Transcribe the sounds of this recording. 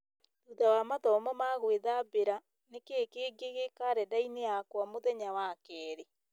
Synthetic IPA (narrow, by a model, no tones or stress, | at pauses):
tutawamatɔmɔmaɣweðabeɾa | nekeːkeːɡeɣekaɾɛdaineakwamoðɛɲawakɛːɾe